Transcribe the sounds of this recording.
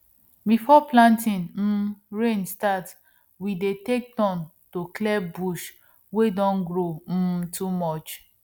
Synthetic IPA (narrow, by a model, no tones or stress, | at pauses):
bifɔplãntĩnm̩ɹẽnstat | widetek̚dɔ̃n | toklɛbuʃ | wedɔ̃nɡɾom̩tʰumɔt͡ʃ